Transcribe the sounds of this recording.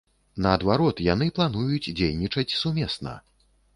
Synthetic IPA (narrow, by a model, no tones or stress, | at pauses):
nɐːd̪vaɾɔt̪janɨplˠanujut͡sʲd͡zʲejnʲit͡ʂɐt͡sʲsumʲɛsnɐ̰